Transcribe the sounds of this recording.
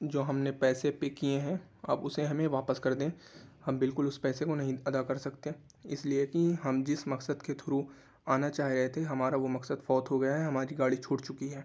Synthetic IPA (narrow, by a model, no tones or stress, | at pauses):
d͡ʒoːɦɐmnepɛːsepekieɦɛ̃ | ɐ̰bʊseɦɐmẽʋaːpəskɐɾd̪ẽː | hɐmbɪlkʊlʊspɛːsekonɐɦĩɐd̪akɐɾsɐkt̪ẽ | ɪsliekiɦɐmd͡ʒɪsmɐksəd̪ket̪ʰʊɾu | aːnat͡ʃaːɦiɾɐɦet̪ʰeɦɐmaːɾaʋomɐksəd̪fɔːt̪ɦoɡɐjaɦɛɦɐmaːɾiɡaːɽit͡ʃʰoːɽt͡ʃʊkiɦɛː